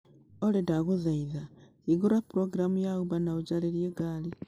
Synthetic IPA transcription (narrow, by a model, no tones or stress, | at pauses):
oledaɣuðaiða | iɡoɾapuɾoɡiɾamujaɣuβanauɟaleɾjeɡaːli